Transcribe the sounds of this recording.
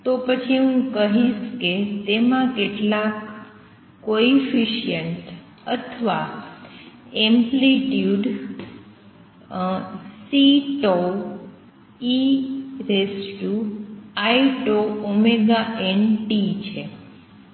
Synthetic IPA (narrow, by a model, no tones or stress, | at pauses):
t̪opət͡ʃʰiɦũkəɦiʃket̪emãkeʈlakː | oifiʃijəɳʈ | ə̰t̪ʰʋa | ɛmpliʈjuɖ | siʈo | iɾeskjuajʈoomeɡaʔenʈit͡ʃʰe